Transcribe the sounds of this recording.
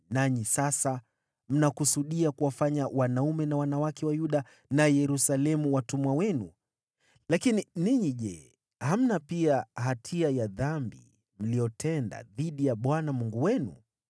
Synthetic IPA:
naɲisasa | m̩nakusuɗiakuwafaɲawanaumɛnawanawakɛwajuɗa | najɛɾusalɛmuwatumuwawɛnu | lakininiɲiʄɛ | ham̩napiaɦatʰiajaðambḭ | m̩liɔtʰɛnda̰ðiɗijaɓwanamuŋɡuwɛnṵ

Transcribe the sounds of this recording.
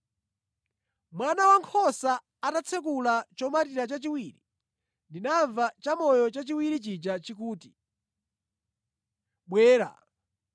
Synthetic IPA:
mwanawaŋkʰɔsa | atat͡sʰɛk̬ulat͡ʃɔmatiɾat͡ʃat͡ʃiwiːɾi | ndinaɱvat͡ʃamɔjɔt͡ʃat͡ʃiwiɾit͡ʃid͡ʒat͡ʃik̬uːti | ɓwɛːɾa̰

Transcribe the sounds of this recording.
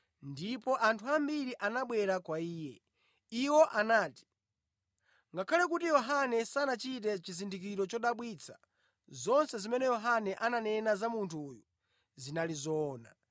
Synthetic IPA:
ndipɔʔantʰuambiɾiʔanaɓwɛɾakwaiːjɛ | iwɔʔanaːti̥ | ŋɡakʰalɛk̬utijɔɦanɛsanat͡ʃit̬ɛt͡ʃizindik̬iɾɔt͡ʃɔɗaɓwit͡sʰḁ | zɔnsɛzimɛnɛjɔɦanɛʔananɛnazamuntʰuːju | zinalizɔːna

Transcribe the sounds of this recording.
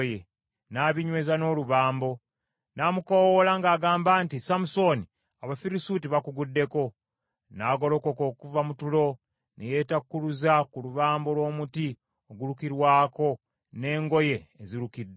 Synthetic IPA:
je | naːβiɲwe̞ːzano̞ːluβaːmbo̞ | namukowolaŋɡaːɡaːmbaːntisamuso̞ni | aβafiɾisuːtiβakuɡudːe̞ko̞ | naːɡo̞lo̞ko̞ko̞ːkuvamutulo̞ | neje̞ːtakkːuluzakuluβaːmbo̞lwo̞ːmuti | oɡuɾukiɾwaːko̞ | ne̞ːŋɡo̞je̞ːziɾukidːe

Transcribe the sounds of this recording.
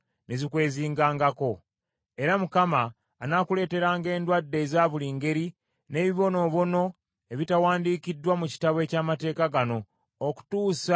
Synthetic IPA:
nezikwe̞ːziːŋɡaːŋɡako̞ | e̞ɾamukamaː | nakule̞ːte̞ɾaːŋɡe̞ːndwadːe̞zaːβuliːŋɡe̞ɾi | ne̞ːβiβo̞no̞ːβo̞no̞ | e̞βitawaːndiːkidːwamuci̥taβwe̞ːcaːmate̞ːkaɡano̞ː | ku̥tuːsa

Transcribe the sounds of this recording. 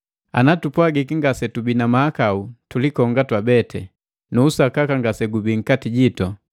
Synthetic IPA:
a̰natupwaɡikiŋɡasɛtubinamaakautulikɔŋɡatwabɛtʰɛ | nuːsakakaŋɡasɛɡubiŋ̩katiɟitɔ

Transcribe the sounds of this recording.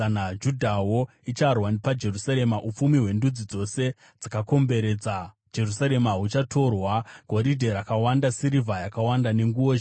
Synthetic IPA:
anad͡ʒudʱawo̞ | it͡ʃarwanpad͡ʒe̞rusaɾe̞maʔup͡fumiɦwe̞ndud͡zid͡zo̞se̞ | d͡zakako̞mbe̞ɾe̞ːd͡za | d͡ʒe̞rusaɾe̞maɦut͡ʃatʰo̞rwaɡ̥ʱo̞ɾidʱeɾakawandasiɾivajakawandane̞ŋɡuo

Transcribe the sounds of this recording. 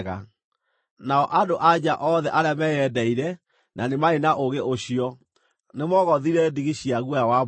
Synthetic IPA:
ɣa̰ | naɔʔadoʔad͡ʑaʔɔðɛʔaɾeamɛjɛdɛiɾɛ | nʔanemaenaʔoɣeʔoɕiɔ | nemɔɣɔðiɾɛdiɣiɕiaɣwawa

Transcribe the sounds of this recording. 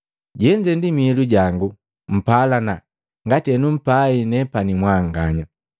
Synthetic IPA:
ɟɛɲd͡ʒɛndimiːluɟaŋɡu | m̩palana | ŋɡatɛnum̩painɛpanimwaŋɡaɲa

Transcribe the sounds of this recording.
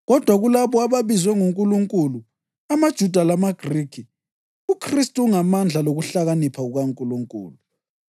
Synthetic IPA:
ɣɔd̥ʱwaɣulaβɔaβaβizwɛŋuŋkʼuluŋkʼulu | amad̥ʒ̥ʱud̥ʱalamaɡ̥riːkʰi | ukʰristʼuuŋamand͡ɮʱaloɣuɬaɣanipʰauɣaŋkʼuluŋkʼṵːlu

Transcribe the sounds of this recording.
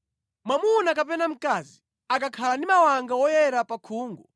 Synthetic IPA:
mwamunakapɛnam̩kaːzi | akakʰalandimawaŋɡawɔjɛɾapakʰuːŋɡu

